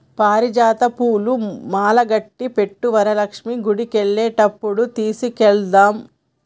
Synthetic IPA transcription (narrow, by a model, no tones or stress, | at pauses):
paːɾid͡ʒaːt̪ɐpuːlumaːlɐɡɐʈːipe̞ʈːuʋɐɾɐlɐkʂmiɡuɽikeɭːeːʈɐpːuɽut̪iːsikɛɭd̪aːm